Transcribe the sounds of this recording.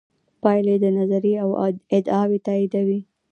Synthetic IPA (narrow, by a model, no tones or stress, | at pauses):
pɑjled̪ənazaɾiawɪd̪ɑwet̪ɑid̪awi